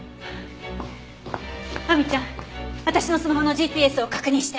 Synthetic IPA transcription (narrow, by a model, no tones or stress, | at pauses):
mamʲit͡ɕãβat̪aɕino̞sɨmaɦono̞d͡ʑiːpʲiːesɨo̞kḁkɯ̟ɲ̟ĩɕi̥t̪e